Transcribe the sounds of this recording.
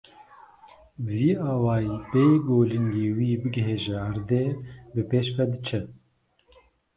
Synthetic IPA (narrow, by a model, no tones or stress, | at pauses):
viːɑːwɑːjipeːɡoːlɨŋɡeːwiːbɨɡɦeːʒɛaɾd̪eːbɨpeːʃpɛd̪ɨt͡ʃʰɛ